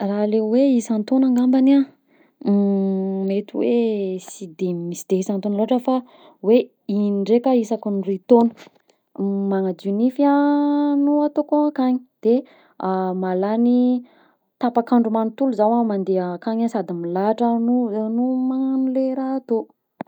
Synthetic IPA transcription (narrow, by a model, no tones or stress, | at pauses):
raleweisant̪onaŋɡambana | met̪uwḛsid̪emisid̪̥eisant̪onloaʈ͡ʂəfa | we | inɳɖ͡ʐekəisakunrit̪onə̥ | maŋad͡ʒ̪unifianuat̪okoakaɲi̥d̪̥e | malani | t̪apakaɳɖ͡ʐumanut̪uluzawamand̪eakaɲasad̪imilaʈ͡ʂənunumaanuleɾaːt̪o